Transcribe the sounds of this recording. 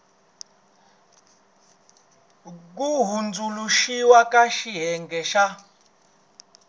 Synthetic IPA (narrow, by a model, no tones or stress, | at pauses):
k̬uɦund͡zuluʃiwakʼaʃiɦɛŋɡɛʃa